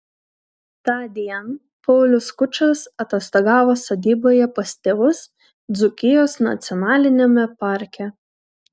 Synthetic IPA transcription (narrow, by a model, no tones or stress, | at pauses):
t̪ɑːd̪ʲiɛn | pɔʊlʲʊskʊt͡ʃɐsɐt̪ʲɛst̪ɐɡɑːʋoːsɐd̪ʲiːboːjɛpɐsʲt̪ʲɛʋʊs | d̪zʊkʲɪjoːsnɐ̰t̪sʲɪɔnɑːlʲɪnʲemʲɛpɑˑɾʲkʲɛ